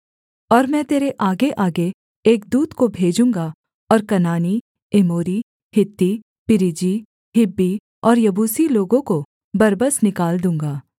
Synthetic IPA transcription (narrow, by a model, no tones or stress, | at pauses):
ɔːɾmɛ̃ːt̪eːɾeʔaːɡeʔaːɡeː | kd̪uːd̪kobʱeːd͡ʒũːŋɡa | ɔːɾkɐnaːni | ɪmoːɾi | hɪt̪ːi | pɪɾɪd͡ʒi | ɦɪbːi | ɔːɾjɐbuːsiloːɡõko | bɐɾbəsnɪkaːld̪ũːŋɡaː